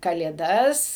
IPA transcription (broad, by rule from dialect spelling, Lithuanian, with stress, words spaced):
kɐlʲeːˈdɐs